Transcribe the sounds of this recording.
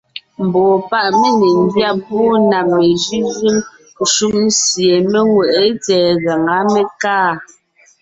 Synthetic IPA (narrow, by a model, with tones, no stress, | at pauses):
m̩˨bɔː˨pa˦ʔme˦˨ne˨n˦dja˦˨pɔː˦na˨mːe˨ʒi˦ʒɯ˦m˨ | ʃu˦ʔ̚n̩˦sje˨me˦ŋwɛ˨ʔe˦tɛː˨ɣa˨ŋa˨˦me˦kaː˦˨